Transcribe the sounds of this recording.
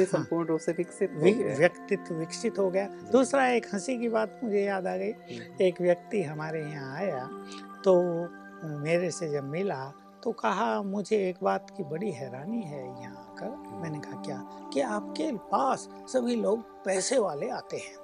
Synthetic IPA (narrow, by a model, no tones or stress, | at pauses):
esɐ̃mpʊːɾɳoseʋɪkʃɪt̪ɪjɐkt̪ɪt̪ʋɪkʃɪt̪ɦoɡɐja | d̪uːsɾaeːkhɐsikibaːt̪mʊd͡ʒʱejaːd̪aːɡɐieːkʋjɐk̚t̪iɦɐmaːɾejɐɦãaːjat̪oː | meːɾesed͡ʒɐbmɪla | t̪okɐɦamʊd͡ʒʱeeːkbaːt̪kibɐɽiɦɛːɾaːniɦɛjɐɦãkɐɾmɛ̃ːnekɐɦakjaːkiaːpkepaːsː | ɐbʱiloːɡ̚ | pɛːseʋaːleaːt̪eɦɛ̃ː